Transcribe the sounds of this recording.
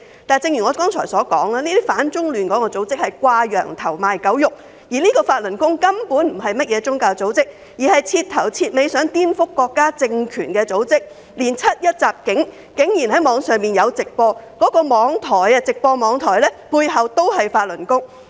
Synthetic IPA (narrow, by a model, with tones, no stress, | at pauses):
t̪aː˨˩jt͡sɪ˧ŋjy˨˩ŋɔː˨˧kɔː˥ŋt͡ʃʰɔː˨˩jsɔː˨˥kɔ̰ː˨˥ŋlaː˥liː˥t̪iː˥faː˨˥nt͡sʊ˥ŋlyː˨˩nkɔː˨˥kɔː˧t͡so˨˥wt͡sɪ˥k̚hɐ˨jkʷaː˧jœː˨˩ŋt̪ʰɐ˨˩wmaː˨jkɐ˨˥wjʊ˨k̚ | jiː˨˩liː˥kɔː˧faː˧t̚lɵ˨˩nkʊ˥ŋkɐ˥mpuː˨˥nm̩˨˩ɦɐ˨jmɐ˥t̚jɛː˨˧t͡sʊ˥ŋkaː˧wt͡so˨˥wt͡sɪ˥k̚ | jiː˨˩hɐ˨jt͡sʰiː˧t̪ʰɐ˨˩wt͡sʰiː˧t̚me˨˧jsœː˨˥ŋt̪iː˥nfʊ˥kːɔː˧kːaː˥t͡sɪ˧ŋkʰyː˨˩nkɛː˧t͡so˨˥wt͡sɪ˥k̚ | liː˨˩nt͡sʰɐ˥t̚jɐ˥t̚t͡saː˨p̚kɪ˨˥ŋ | kɪ˨˥ŋjiː˨˩nɦɐ˨˥jmɔː˨˧ŋsœː˨ŋmiː˨˩njɐ˨˧wt͡sɪ˨k̚pɔː˧kɔː˨˥kɔː˧mɔː˨˧ŋt̪ʰɔː˨˩jɐ˧t͡sɪ˨k̚pɔː˧mɔː˨˧ŋt̪ʰɔː˨˩jlɛː˥puː˧jɦɐ˨wt̪o˥whɐ˨jfaː˧t̚lɵ˨˩nkʊ˥ŋ